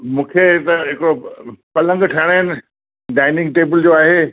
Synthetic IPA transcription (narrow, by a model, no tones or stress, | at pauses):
mũːkʰet̪ɐɦɪkɽopɐlə̃ŋɡʈʰɐɽ̃aɪnɪ̆ | ɖaːɪnɪ̃ŋɡʈeːbɪld͡ʑoːaːɦeː